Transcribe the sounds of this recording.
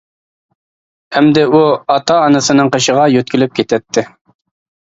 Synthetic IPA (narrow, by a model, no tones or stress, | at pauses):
ɛmd̪ɪuɑt̪ɑːnɨsɨnɨŋqəʃəʁɑjøt̪̚kʲʰilyp̚kʲʰet̪ʰɛt̪ʰːɪ